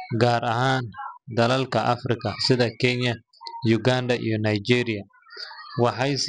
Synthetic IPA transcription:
ɡaːɾɐɦaːnd̪ɐlɐlkʰɐʔɐfrɪkʰɐsɪðɐkʰɛnjɐ | jʊɡaːnd̪ɐʔḭjɞnɐjd͡ʒiːɾɪjɐ | wɑħɑjs

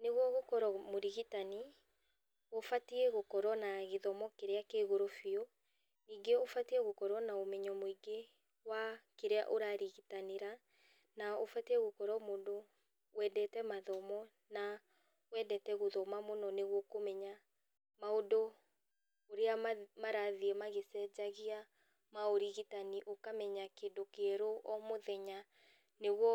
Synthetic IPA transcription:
neɣwɔɣokɔɾɔmoɾiɣitani | ofatiɛɣokɔɾwɔnaɣeðɔmɔkeɾeakeɣoɾofiɔ | niːɡeofatiɛɣokɔɾwɔnaomɛɲɔmoiɡe | wakeɾea̰ʔoɾaɾiɣitaneɾa | naofatiɛɣokɔɾɔmoːndo | wɛdɛtɛmaðɔmɔ | na | wɛdɛtɛɣoðɔmamonɔneɣwɔkomɛɲa | maodo | oɾeamaɾaðiɛmaɣesɛd͡ʑaɣia | maoɾiɣitaniʔokamɛɲakendokeɾoʔɔmoðɛɲa | neɣwɔ

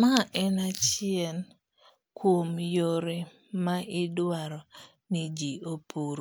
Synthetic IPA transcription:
maʔɛnat͡ʃɪɛn | kwomjoɾe | maʔɪdwaɾɔ | nid͡ʒiopoɾo

